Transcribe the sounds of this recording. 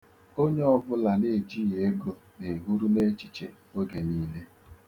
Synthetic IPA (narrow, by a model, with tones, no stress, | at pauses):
o˦ɲe˦ɔ˦vʊ˦la˨ne˦˨d͡ʒi˦je˨e˦ɡo˦ne˨ɦu˦ɾu˦ne˦t͡ʃi̥˨t͡ʃḛ˨ | o˦ɡe˨niː˦le˦